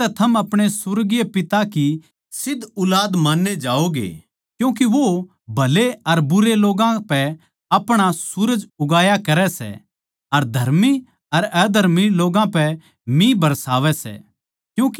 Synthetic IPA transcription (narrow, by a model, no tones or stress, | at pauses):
t̪ɛt̪ʰɐmɐpɽ̃esʊɾɡijepɪt̪aki | sɪd̪ʱʊlaːd̪maːnːed͡ʒaːoɡḛː | kjũːk̬iʋo | bʱɐleɐɾbʊɾeloːɡãpɛ | ɐpɽ̃asʊɾəd͡ʒʊɡaːjakɐɾɛsɛ̰ | ɐɾd̪ʱɐɾmi | ɐɾɛːd̪ʱɐɾmiloːɡãpɛ | mĩbʱɐɾsaːʋɛsɛ̰ | kjũːki